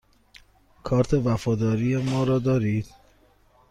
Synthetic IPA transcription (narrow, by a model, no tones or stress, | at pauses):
kʰɒːɾt̪ʰe̞væfɒːd̪ɒːɾijemɒːɾɒːd̪ɒːɾiːd̪̥